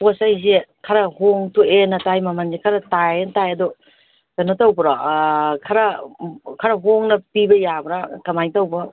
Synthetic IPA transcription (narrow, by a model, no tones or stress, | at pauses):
posajzekʰɐɾɐhoŋtuenɐtajmɐmanzekʰɐɾɐtajentajɐdɔ | tanːɐtawbɐɾɔkʰɐɾɐkʰɐɾɐɦoŋnɐpibɐjabɾakɐmajtɐwbɔ